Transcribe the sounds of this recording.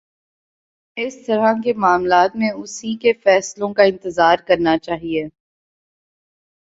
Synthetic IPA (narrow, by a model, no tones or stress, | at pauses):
ɪst̪ɐɾakemaːmlaːt̪mẽʊsikefɛːslõkaɪ̃nt̪ɪzaːɾkɐɾnat͡ʃaːɦieː